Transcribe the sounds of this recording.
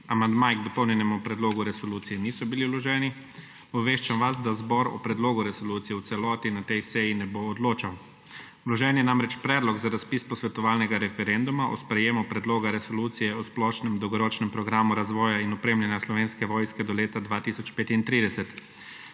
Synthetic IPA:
amand̪maːjɡd̪ɔpɔwnjɛnɛmupɾɛd̪loːɡuɾɛsɔluːt̪sijɛniːsɔbiliwlɔʒɛːni | ɔbʋeːʃt͡ʃamʋazd̪azbɔɾɔ̰pɾɛd̪loːɡuɾɛsɔluːt̪sijɛwt̪sɛlɔːt̪inat̪ɛjsɛjinɛboːd̪loːt͡ʃaw | wlɔʒɛːnjɛnamɾɛt͡ʃpɾɛːd̪lɔɡzaɾaspiːspɔsʋɛt̪ɔʋaːlnɛɡaɾɛfɛɾɛnd̪umaʔɔ̰spɾɛjeːmupɾɛd̪loːɡaɾɛsɔluːt̪sijɛɔsplɔːʃnɛmd̪ɔwɡɔɾɔːt͡ʃnɛmpɾɔɡɾaːmuɾazʋɔːjainɔpɾeːmlanjaslɔʋeːnskɛʋɔːjskɛd̪ɔleːt̪ad̪ʋaːt̪isɔt͡ʃpeːt̪int̪ɾiːd̪ɛsɛt̪

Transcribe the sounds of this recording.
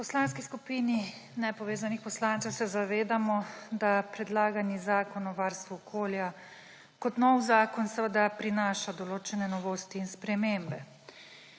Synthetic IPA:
pɔslanskiskupiːni | nɛpɔʋeːzanixpɔslaːnt̪sɛwsɛzaʋeːd̪amɔd̪apɾɛd̪laːɡanizaːkɔnɔʋaɾst̪ʋuɔkʰoːlja | kɔt̪nɔwzaːkɔnsəʋəd̪apɾinaːʃad̪ɔloːt͡ʃɛnɛnɔʋoːst̪iːnspɾɛmeːmbɛ

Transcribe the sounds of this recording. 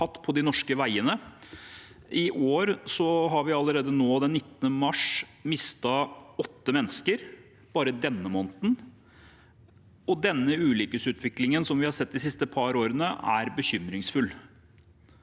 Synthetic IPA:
ɑt̪ːpʰɔd̪ɪnɔʂkəʋæɪənə | ʔɪʔoːɾsɔɦɑɾʋɪɑləɾeːd̪ənoːd̪ɛnːɪt̪ːənəmɑʂmɪst̪ɑɔt̪ːəmɛnːəskəɾ | b̥ɑːɾəd̪ɛnːəmɔːnt̪n̩ | ɔd̪ɛnːəʉːliːkəsʉːt̪ʰʋɪklɪŋənsɔmʋɪhɑɾsɛt̪̚ːd̪ɪsɪst̪əpʰɑɾoːɾənəæɾbəçʏmɾɪŋsfʉl

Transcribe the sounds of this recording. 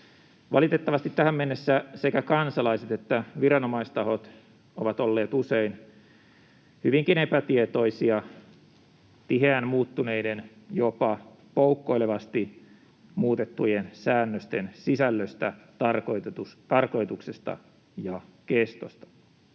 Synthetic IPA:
ʋɑ̰lit̪et̪ːɑʋɑst̪it̪tæhæmmenːesːæsekækɑnsɑlɑiset̪et̪ːæʋiɾɑnomɑist̪ɑho̞t̪ | oʋɑt̪olːeːt̪usein | hyʋiŋkinepæt̪iet̪o̞isiɑ | t̪iɦeænmuːt̪ːuneiden | jopɑ | poukːoijleʋɑst̪i | muːt̪et̪ːujensæːnːøst̪ensisælːøst̪æ | ɑrkot̪ust̪ɑrko̞jt̪uksest̪ɑ̰ | jɑkest̪ost̪ɑ̥

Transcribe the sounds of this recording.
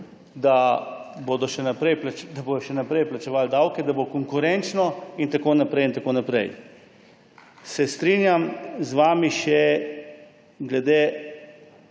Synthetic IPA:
d̪aboːd̪ɔʃɛnapɾɛjplad̪aboːjɔʃɛnapɾɛjplat͡ʃɛʋaːld̪awkɛd̪abokɔŋkʊɾɛnt͡ʃnɔint̪akoːnapɾɛjint̪akoːnapɾɛ̰j | sɛst̪ɾiːnjamzʋaːmiʃɛ | ɡlɛd̪eː

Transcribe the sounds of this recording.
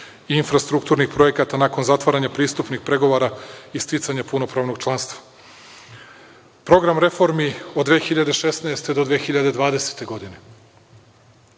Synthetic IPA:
iinfɾast̪ɾukt̪uːɾnixpɾo̞je̞kat̪anako̞nzat̪ʋaɾaɲapɾiːst̪upnixpɾe̞ɡo̞ʋoɾaist̪it̪saɲapuno̞pɾaːʋno̞ɡ̚t͡ʃlˠanst̪ʋḁ | pɾo̞ɡɾamɾe̞fo̞ɾmiod̪ːʋexiʎad̪e̞ʃe̞snaest̪e̞d̪od̪ʋexiʎad̪e̞d̪ʋaːd̪e̞se̥t̪e̞ɡo̞d̪ine̞

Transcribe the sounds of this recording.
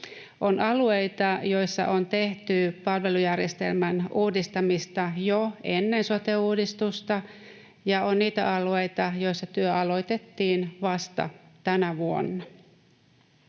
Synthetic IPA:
ʔo̞nɑlue̞jt̪ɑjo̞jsːɑ̰ʔo̞nt̪e̞ht̪ypɑlʋe̞lujærjest̪e̞̰lmænuːdist̪ɑmist̪ɑjoe̞nːe̞nso̞t̪euːdist̪ust̪ɑ | jɑo̞nniːt̪æ̰ʔɑlue̞jt̪ɑjo̞jsːɑt̪yøʔɑlo̞jt̪e̞t̪ːiːnʋɑst̪ɑ̰t̪ænæʋuo̰nːɑ

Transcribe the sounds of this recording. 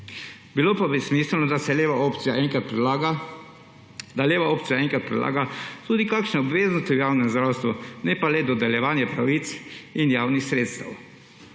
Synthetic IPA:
bilopabismiːslnɔd̪asɛleʋaopt̪sijaɛŋkat̪p | d̪aleːʋaoːp̪sijaɛŋkɾat̪̚pɾɛla̰ːɡat̪uːd̪ikaːkʃnɛɔbʋeːznɔst̪ijaːwnɛmzd̪ɾaːwst̪ʋunɛpalɛd̪ɔd̪ɛljɛʋaːnjɛpɾaʋiːt̪sinjaːwnixsɾeːt̪st̪a̰w

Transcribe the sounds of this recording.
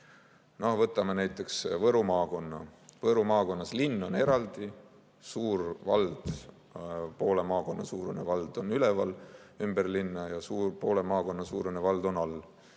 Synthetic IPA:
novɤt̪ːˑɑmenæjt̪ˑːe̞ksvɤɾumɑːko̞nːɑ̰vɤɾumɑːko̞nːɑslinːo̞ne̞ɾɑld̪̥i | suːrvɑ̰ld̪̥ | po̞ːle̞mɑːko̞nːɑsuːɾenevɑld̪̥o̞nyle̞vɑl | ymberlinːɑjɑsuːrpo̞ːle̞mɑːko̞nːɑsuːɾenevɑld̪̥o̞nɑlː

